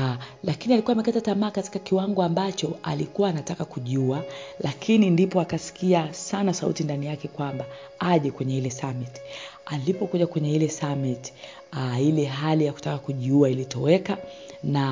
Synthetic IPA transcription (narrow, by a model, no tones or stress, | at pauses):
lakinialikuaːmɛkatatamaːkati̥kakiwaŋɡɔambat͡ʃɔa̰likuwaːnatakakuʄualakʰinindipɔakasi̥kiasanasaṵtindanijakɛkwamba | aʄɛkwɛɲɛilɛsamiti̥alipɔkuʄakwɛɲɛilɛsamiti̥ | ilɛɦalijaku̥takakuʄuailitɔwɛka | na